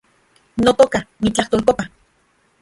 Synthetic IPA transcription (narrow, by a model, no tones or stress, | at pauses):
not̪okanit͡ɬaht̪oːlkopa